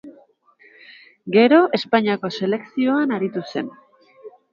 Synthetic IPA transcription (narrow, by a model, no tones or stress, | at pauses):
ɡe̞ɾo̞ʔe̞spaɲiako̞se̞le̞ksio̞anaɾit̪use̞̰n